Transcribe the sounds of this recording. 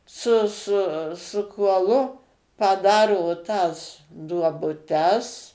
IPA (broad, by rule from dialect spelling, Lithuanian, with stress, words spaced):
sʊ ˈsʊ sʊ kuɔˈlˠʊ pɐˈdɑːroː tɐs duɔbʊˈtʲɛs